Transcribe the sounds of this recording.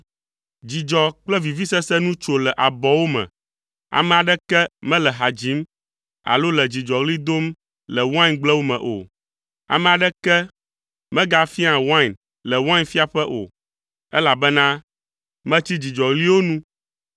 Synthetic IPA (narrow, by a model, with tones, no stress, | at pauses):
d͡ʑi˨d͡ʒɔ˨k͡plɛ˦vi˨vi˦sɛ˦sɛ˦nũ˦t͡ʃo˨lɛ˨ʔa˨bɔ˨wo˦mɛ̰̃˨ | a̰˨mɛ̃˨a˨ɖɛ˦kɛ˦mɛ̃˦lɛ˨ɦa˨d͡ʒi˨˦m | a̰˨lo˦lɛ˨d͡ʑi˨d͡ʒɔ˨ɣli˦d̪o˦m | lɛ˨wã˦nɡ͡blɛ˦wo˦mɛ̰̃˨ʔo̰˨ | a̰˨mɛ̃˨a˨ɖɛ˦kɛ˦ | mɛ̃˦ɡa˨fi˦ã˨wã˦˨n | lɛ˨wã˦nfi˦a˦˨ɸɛ˦ʔo̰˨ | ɛ˦la˨bɛ˦nã˦ | mɛ̃˦t͡ɕi˦d͡ʑi˨d͡ʒɔ˨ɣli˦wo˦nũ˦